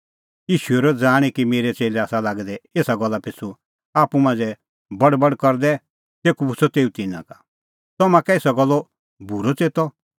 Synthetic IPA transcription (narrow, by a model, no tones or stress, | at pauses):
jiːʃuɛɾɔd͡zaːɽ̃ikimeːɾɛt͡seːlɛaːsalaːɡd̪ɛeːsaɡɔlːapʰɪt͡su | aːpumãːnd͡zɛ | bɐɽbɐɽkɔɾd̪ɛ | seːkubʊt͡sʰɔt̪eːũt̪ɪnːã̰kḁ | t̪ɔmãkɛɪsɔɡɔlːɔ | bʱuɾɔt͡seːt̪ɔ